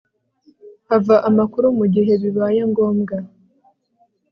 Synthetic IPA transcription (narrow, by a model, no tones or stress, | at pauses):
havaʔamakuɾumuɟiɦe̞βiβajeŋɡo̞ːmɡa